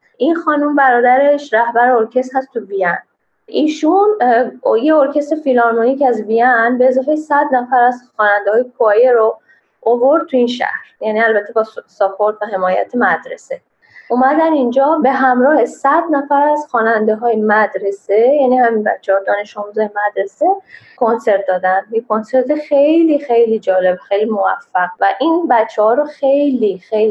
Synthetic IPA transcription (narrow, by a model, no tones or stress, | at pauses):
ʔinxɒːnumbæɾɒːd̪æɾe̞ʃɾæhbæɾeoɾcʰe̞st̪hæst̪ʰuvijæn | ʔiːʃunjeoɾcʰe̞st̪efilɒɾmonicʰæzvijænbe̞ːzɒːfejsæd̪næfæɾæzxɒːnænd̪eɒːjekʰojeɾo | ovo̞ɾd̪̚t̪ʰuinʃæ̰hɾjæniælbæt̪ʰːe̞bɒːsɒpʰoɾt̪væɦe̞mɒːjæ̰t̪ʰemæd̪ɾe̞̰se̞ | uːmæd̪ænind͡ʒɒːbe̞ɦæmɾɒːhesæd̪næfæɾæz̥xɒːnænd̪eɦɒːjemæd̪ɾe̞sejæniːhæminbæ̰tt͡ʃʰːehɒːd̪ɒːne̞ʃɒːmuːzɒːjemæd̪ɾe̞se̞ | ko̞nse̞ɾt̪̚d̪ɒːd̪ænjekʰːo̞nse̞ɾt̪ʰexejlixe̞jliːd͡ʒɒːle̞bxejlimovæ̰fːæɣvæʔinbæt͡ʃʰːehɒːɾoxe̞jlixeji